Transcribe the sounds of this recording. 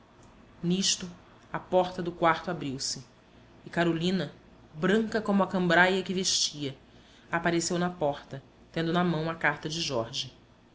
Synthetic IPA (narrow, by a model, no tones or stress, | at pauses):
niʃt̪ʊ | apɔɾt̪ɐd̪ʊkwaɾt̪ʊabɾiwsɪ | ɪkaɾolĩnɐ | bɾɐ̃ŋkɐkõmʊɐkɐ̃mbɾajɐkɪveʃt͡ʃiɐ | apaɾesewnɐpɔχt̪ɐ | t̪ẽnd̪ʊnɐmɐ̃w̃ɐkaɾt̪ɐd͡ʒɪʒɔɾʒi